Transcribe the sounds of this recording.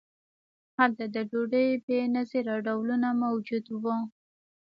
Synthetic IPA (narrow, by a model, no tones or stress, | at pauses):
halt̪ad̪əɖoɖəjbenazeɾɑɖawlunamawd͡ʒud̪wu